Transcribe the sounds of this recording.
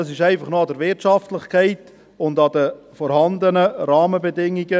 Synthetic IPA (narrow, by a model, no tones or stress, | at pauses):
ɑsɪʃæɪfɑχnoːɑdəɾvɪtʃɑftlɪχkʰɛɪt | ʊndɑdə | fɔɾhɑnd̪ənəɾɑːməbədɪŋiɡə